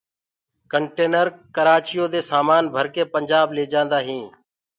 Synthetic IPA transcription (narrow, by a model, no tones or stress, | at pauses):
kəɳʈeːnəɾkəɾaːt͡ʃɪjoːd̪eːsaːmaːnbʱəɾkeːpəɲd͡ʒaːbleːd͡ʒãːnd̪aːɦĩː